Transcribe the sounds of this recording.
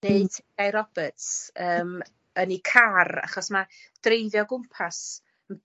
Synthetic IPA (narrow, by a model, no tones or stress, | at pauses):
neɨ̥tʰɪɡajɾɔbətsəːm | ənikʰara̰χɔsmad̥rejðjɔɡʊmpʰas | ən